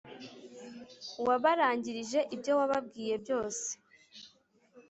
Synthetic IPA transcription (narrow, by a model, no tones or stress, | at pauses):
waβaɾaːɲɟiɾiʒe̞ʔibjo̞waβab̚ɡiːje̞bjo̞ːse̥